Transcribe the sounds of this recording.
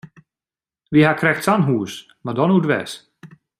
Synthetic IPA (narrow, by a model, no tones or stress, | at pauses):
ʋiɦakrɛxtsanɦuːəs | mardɔnutʋɛ̰s